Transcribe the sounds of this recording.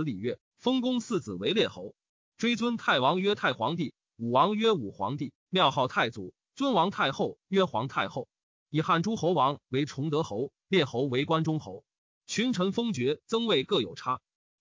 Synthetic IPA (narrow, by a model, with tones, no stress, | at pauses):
li˨˩ɥɛ˥˩ | fɤ˥ŋkʊ˥ŋsɹ̩˥˩t͡sɹ̩˨˩we˧˥ɪljɛ˥˩xo˧˥ʊ | ʈ͡ʂwe˥ɪt͡swə˥nt̪ʰa˥˩ɪwɑ˧˥ŋɥɛ˥t̪ʰa˥˩ɪxwɑ˧˥ŋt̪i˥˩ | u˨˩wɑ˧˥ŋɥɛ˥u˨˩xwɑ̰˧˥ŋt̪i˥˩ | ljɑ˥˧ʊxɑ˥˧ʊt̪ʰa˥˩ɪt͡sṵ˨˩˦ | t͡swə˥nwɑ˧˥ŋt̪ʰa˥˧ɪxo˥˩ʊɥɛ˥xwɑ̰˧˥ŋt̪ʰa˥˧ɪxo˥˩ʊ | i˨˩xa˥˩nʈ͡ʂu˥xo˧˥ʊwɑ˧˥ŋwe˧˥ɪʈ͡ʂʰʊ˧˥ŋt̪ɤ˧˥xo˧˥ʊ | ljɛ˥˩xo˧˥ʊwe˧˥ɪkwa˥nʈ͡ʂʊ˥ŋxo˧˥ʊ | t͡ɕʰy˧˥nʈ͡ʂʰɤ˧˥ŋfɤ˥ŋt͡ɕɥɛ˧˥t͡sɤ˥ŋwe˥˧ɪkɤ˥˩jo̰˨˩ʊʈ͡ʂʰa˥